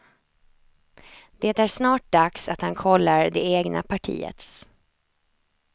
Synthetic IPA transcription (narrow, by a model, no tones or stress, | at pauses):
d̪̥eːt̪æɾʂnɑːʈ̚d̪aksat̪hankʰɔlːaɾd̪ɛeːɡnʔa̰pʰaʈʰḭːə̰t̪s